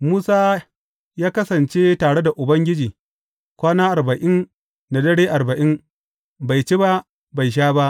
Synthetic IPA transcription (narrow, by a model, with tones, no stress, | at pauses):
muː˦saː˦ | jaː˦kɐ˦sɐ˨nt͡ʃeː˦taː˨ɽe˦da˨ʔʊ˨bɐ˦ŋɡʲɪ˦d͡ʒiː˨ | kʷaː˦naː˦ʔa˨rbɐ˨ʔɪ˦n | na˨dɐ˦ɽeː˦ʔa˨ɾbɐ˨ʔɪ˦n | ba˨jt͡ʃe˦ba˦ | ba˨jʃ̬aː˦ba˦ʔ